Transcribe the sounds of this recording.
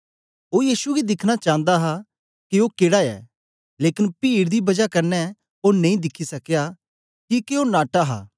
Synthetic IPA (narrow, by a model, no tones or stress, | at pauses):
oːjiːsuɡid̪ɪkʰñat͡ʃãːnd̪aɦa | kiokeːɽaɛ̰ː | leːkɪnpiːɽd̪ibɐd͡ʒakɐɾnɛ | onẽĩd̪ɪkʰːisɐkja | kikeonaːʈaɦa̰ː